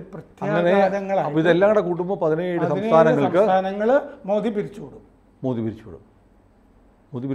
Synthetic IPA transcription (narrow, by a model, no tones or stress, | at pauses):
prɐt̪jaːɐneɐd̪ɐŋːɐɭaːɐiðelːaːŋːɽekuːʈ̬ːumɨpɐðinejeːɽɨɐðsɐmnʰaːɾnɐŋːɐɭɐmkɨt̪ʰaːnɐŋːɐɭmoːðipiɾit͡ɕːuːɽum | moːðipiɾit͡ɕːuːɽṵm | moːðipi